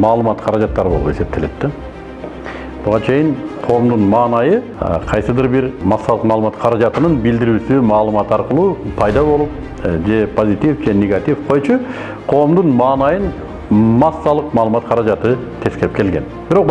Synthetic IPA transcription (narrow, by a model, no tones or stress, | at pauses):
mɑːlˠəmɑt̪qʰɑɾɑd͡ʒɑt̪ːɑɾɯbolˠṵpe̞se̞p̚t̪ʰe̞le̞t̪ːe | b̥ʊʁɑt͡ʃʰe̞jɪɴqʰo̞ːmd̪unmɑːnɑjə̰ | qʰɑjsɨd̪ɨɾbɪɾmɑsːɑlˠəqmɑlˠmɑt̪qʰɑɾɑd͡ʒɑt̪ənɯnbɪld̪ɪɾyːsymɑːlˠəmɑt̪ɑɾqəlˠuːpʰɑjd̪ɑβo̞lˠup̚ | d͡ʒe̞pʰo̞zit̪ifd͡ʒe̞nʲe̞ɡat̪ifqʰo̞jt͡ʃʊ | qʰo̞ːmd̪unmɑːnɑjən | mɑsːɑlˠəqmɑːlˠəmɑt̪qʰɑɾɑd͡ʒɑt̪ɨt̪ʰe̞skʲeɪp̚kʰe̞lɡʲe̞̰nb̥ɪɾo̞q